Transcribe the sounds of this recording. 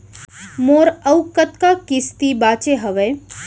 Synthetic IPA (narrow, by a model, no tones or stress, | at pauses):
moːɾəwkət̪kakist̪ibaːt͡ʃeɦəʋe